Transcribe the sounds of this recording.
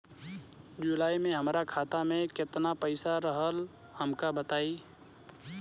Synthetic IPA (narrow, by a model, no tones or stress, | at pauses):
d͡ʒulaːimẽɦəmɾakʰaːt̪amẽkɪt̪napəɪsaɾəɦəl | həmkabət̪aːiː